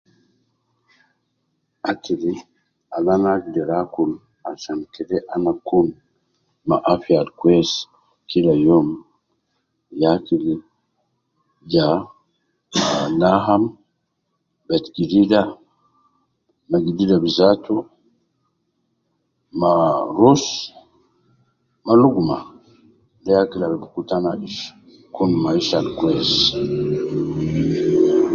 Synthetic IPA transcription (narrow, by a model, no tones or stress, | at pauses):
atili | alanadɛɾakul | asankɛdɛʔanakun | maʔafialkwɛs | kilajɔm | jakili | d͡ʒa | anaɦam | bɛtɡidida | maɡididabizatʰu | maɾus | maluɡuma | ndɛjakilalbukutanaiʃ | kunmaiʃalkwɛz